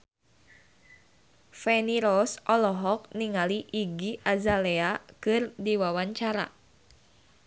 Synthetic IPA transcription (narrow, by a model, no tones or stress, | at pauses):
fɛniɾɔsʔɔlɔɦɔk̚niŋaliʔːɡiʔazaleakɨrdiwawaɲt͡ʃaɾa̰